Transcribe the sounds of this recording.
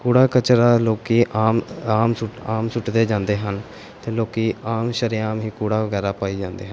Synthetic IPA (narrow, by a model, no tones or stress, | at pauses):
kuːɽaːkət͡ʃɾaːloːkiːʔaːmaːmsʊʈaːmsʊʈd̪eːd͡ʒãːnd̪eːɦən | t̪eːloːkiːaːmʃəɾɪjaːmɦĩːkuːɽaːʋəɡɛːɾaːpaːiːd͡ʒãːnd̪ḛːɦən